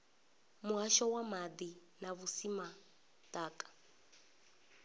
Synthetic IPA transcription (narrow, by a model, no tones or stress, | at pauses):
muɦaʃɔwamad̪i | naβusima | taːkʼḁ